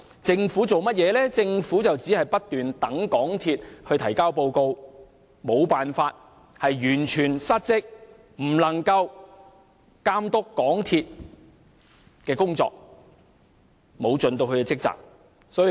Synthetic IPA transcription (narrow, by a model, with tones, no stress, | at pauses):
t͡sɪ˧ŋfuː˨˥t͡so˨wmɐ˥t̚jɛː˨˧lɛː˥t͡sɪ˧ŋfuː˨˥t͡sɐ˨wt͡siː˨˥hɐ˨jpɐ˥t̚t̪yː˨nt̪ɐ˨˥ŋkɔː˨˥ŋt̪ʰiː˧t̚hɵ˧ɥt̪ʰɐ˨˩jkaː˥wp̬o˧wko˧w | mo˨˧wpaː˨nfaː˧t̚ | hɐ˨jjyː˨˩nt͡ʃʰyː˨˩nsɐ˥t̚t͡sɪ˥k̚ | m̩˨˩lɐ˨˩ŋkɐ˧w | kaː˥mt̪ʊ˥kːɔː˨˥ŋt̪ʰiː˧t̚ | kɛː˧kʊ˥ŋt͡sɔ̰ː˧k̚ | mo˨˧wt͡ʃɵ˨nt̪o˧wkʰɵ˧kɛ˧t͡sɪ˥k̚t͡sa̰ː˨k̚ | sɔː˨˥j